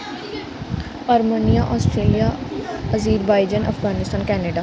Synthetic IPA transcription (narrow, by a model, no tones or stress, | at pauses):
əɾmənijaːʔɔːsʈɾeːlijaːəziːɾbaːɪd͡ʒənʔə̰fɡaːnɪst̪aːnkɛːneɖaː